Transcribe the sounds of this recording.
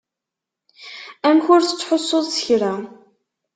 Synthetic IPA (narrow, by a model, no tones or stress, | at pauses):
æmçʊɾθə̥t͡sːħosˤːoðˤsə̥çɾa